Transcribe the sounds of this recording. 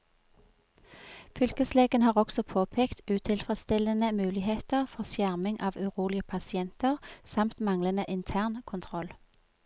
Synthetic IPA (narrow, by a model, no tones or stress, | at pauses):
fʏlkəsleːɡənhɑːʁɔksɔpʰoːpʰeːkt̪ʉːt̪ʰɪlfʁɛd̪st̪ɪlənəmʉːlɪheːt̪əʁfɔʁsjæʁmɪŋʔɑːʋʉʁuːlɪəpʰɑsɪɛnt̪əʁsɑmt̪mɑŋlənəʔɪnt̪ʰæːʁnkʰʊnt̪ʰʁɔl